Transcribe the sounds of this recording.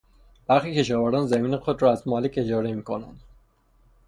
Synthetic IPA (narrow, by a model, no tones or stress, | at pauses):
b̥æɾxiːcʰe̞ʃɒːvæɾd̪æːnzæmiːnexod̪ɾɒːæzmɒːlece̞d͡ʒɒːɾemiːkʰonæ̰nd̪̥